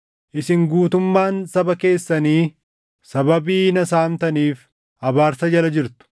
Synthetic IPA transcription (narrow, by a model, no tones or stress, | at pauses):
ʔɪsɪŋɡuːt̪ʊmːaːnsɐbɐke̞ːsːɐniː | sɐbɐbiːnɐsaːmt̪ɐniːf | hɐbaːɾsɐd͡ʒɐlɐd͡ʒɪɾt̪ʊ̥